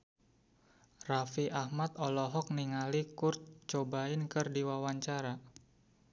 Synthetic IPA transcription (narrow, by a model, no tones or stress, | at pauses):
rafiʔahmat̪ɔlɔɦɔk̚niŋalikurt̪̚t͡ʃobaɪnkɨrdiwawaɲt͡ʃaɾa